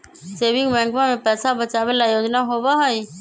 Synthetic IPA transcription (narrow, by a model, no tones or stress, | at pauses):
seːbɪŋbɛ̃ŋɡʋamẽpɛːsabət͡ʃaʋelajoːd͡ʒnaɦobaɦoj